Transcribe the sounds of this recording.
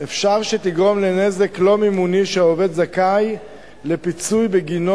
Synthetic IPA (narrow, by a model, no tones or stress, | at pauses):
efʃaʁʃet̪iɡʁo̞mle̞ne̞ze̞klo̞mimuniʃeove̞d̪zakaj | le̞pit͡sujbeɡino